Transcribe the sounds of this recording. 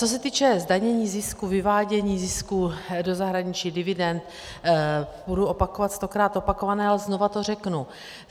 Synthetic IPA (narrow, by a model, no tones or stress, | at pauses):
t͡so̞s̬ɛt̪iːt͡ʃɛzdaɲɛɲiːzɪskuvɪvaːɟɛɲiːzɪskudo̞zaɦɾaɲɪt͡ʃiːdɪvɪdɛnt̪ | buduo̞pakovat̪st̪o̞kɾaːt̪o̞pako̞vanɛːalɛzno̞vat̪o̞r̝ɛknu